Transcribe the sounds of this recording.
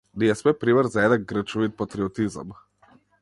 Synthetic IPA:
niɛsmɛpɾiməɾzaɛd̪aɡɡɾət͡ʃɔʋit̪̚pat̪ɾiɔt̪izə̰m

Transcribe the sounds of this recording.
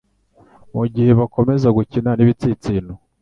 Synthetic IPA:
muɟihe̞βako̞me̞zaɡucinaniβit͡sit͡siːnu

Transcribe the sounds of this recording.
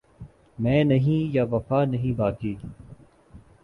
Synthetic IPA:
mɛ̃ːnɐɦĩːjaʋɐfaːnɐɦĩːbaːkiː

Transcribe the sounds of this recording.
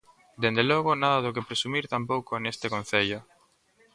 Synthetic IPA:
d̪end̪elɔɣʊnaðaðʊk̬epɾesumiɾt̪ampowkonest̪ekõn̟θeʎo

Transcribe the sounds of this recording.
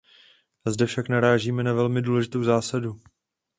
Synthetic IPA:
azdɛfʃaknaɾaːʒiːmɛnavɛlmɪduːlɛʒɪt̪o̞wzaːsadu

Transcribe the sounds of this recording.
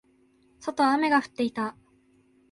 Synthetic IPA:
so̞t̪o̞ame̞ɡaɸɯ̟̥t̪ːe̞it̪a

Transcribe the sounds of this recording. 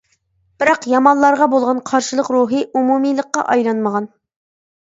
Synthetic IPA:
b̥ɪɾɑqjɑmɑnlˠɑɾʁɑbolˠʁɑnqʰɑɾʃɨlˠəqɾuɦɨʔumumijlˠəqːɑ̰ʔɑjɾˠɑnməʁɑn

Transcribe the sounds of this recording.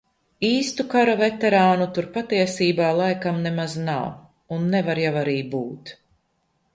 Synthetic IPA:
iːst̪ukaɾavɛt̪ɛɾaːnut̪uɾpat̪iɛsiːbaːlˠajkamnɛmazna̰w | unːɛvaɾjawaɾiːbuːt̪

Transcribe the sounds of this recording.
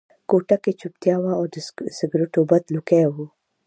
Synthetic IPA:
koʈaket͡ʃʊp̚t̪jawaɔɾd̪sɪɡɾʊʈobɐt̪lukeɦu

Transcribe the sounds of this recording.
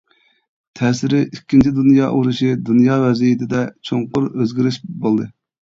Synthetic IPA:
t̪ʰɛːsɪɾɪikʲːint͡ʃʰid̪unjɑ̰ːʔuɾuʃɨd̪unjɑːvɛzijɪt̪ʰɪd̪ɛt͡ʃʰoŋqʊɾøzɡʲiɾɪʃbolˠd̪ɨ

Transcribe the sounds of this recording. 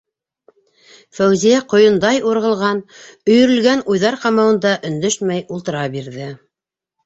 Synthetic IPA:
fæwzijæqŏjɤ̆nd̪ɑjuɾʁɤ̆lˠʁɑnɵ̆jɵ̆ɾɵ̆lɡænujðɑɾqɑmɑwɤ̆nd̪ɑʔɵ̆nd̪ɵʃmæjulˠt̪ɤ̆ɾɑbiɾðɘ

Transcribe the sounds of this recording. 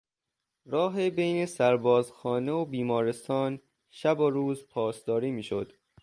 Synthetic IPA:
ɾɒːɦebejne̞sæɾbɒːzxɒːneobiːmɒːɾe̞st̪ɒːn | ʃæboɾuːzpʰɒːsd̪ɒːɾiːmiːʃo̰d̪̥

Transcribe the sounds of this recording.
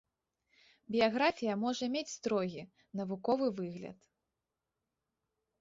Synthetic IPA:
bʲijaɣɾafʲijɐmɔʐɐmʲet͡sʲst̪ɾɔɣʲi | nɐvukɔvɨvɨɣlʲɐ̰t̪

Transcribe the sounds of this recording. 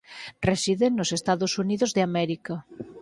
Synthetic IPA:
resiðeŋnosest̪aðosuniðozðɪamɛɾika

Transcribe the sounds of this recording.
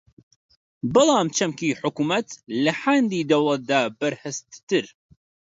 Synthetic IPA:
bɨlˠɑːmt͡ʃʰɐmkiːħʊkumɐt̪lɐħand̪iːd̪ɐwlˠɐt̪̚d̪aːbɐɾhɨst̪t̪ɨɾ

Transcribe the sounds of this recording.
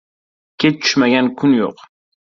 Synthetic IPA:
kʲet͡ʃʊ̥ʃmæɡʲænkʰʊnjo̰q

